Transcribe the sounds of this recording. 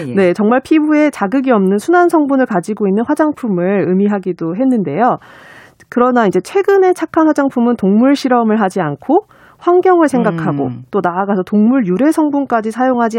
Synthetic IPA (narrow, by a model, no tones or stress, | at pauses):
ne̞t͡ɕʌŋmaɭpʰibue̞t͡ɕaɡɯɡiʌmnɯnsʰunansʰʌŋbunɯɭkad͡ʑiɡoinːɯnɸwad͡ʑaŋpʰumɯɭɯmiɦaɡidoɦe̞nːɯnde̞jo | kɯɾʌnaind͡ʑe̞t͡ɕʰwe̞ɡɯne̞t͡ɕʰakʰanɸwad͡ʑaŋpʰumɯntoŋmuɭɕʰiɾʌmɯɭɦad͡ʑiankʰo | ɸwaŋɡjʌŋɯɭsʰe̞ŋɡakʰaɡo̰t͈onaːɡasʰʌtoŋmuɭjuɾe̞sʰʌŋbunk͈ad͡ʑisʰajoŋɦad͡ʑi